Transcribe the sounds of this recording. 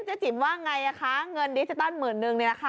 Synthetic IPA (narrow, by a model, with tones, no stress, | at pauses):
t͡ɕa˨˩t͡ɕi˨˩p̚waː˥˩ŋa˧jʔa˨˩kʰa˦˥ŋɤ˧ndi˧˩t͡ɕi˧t̪ɔ˥˩nmɯ˨˩˦nːɯ˧ŋni˧˩la˧˩kʰa˦˥˩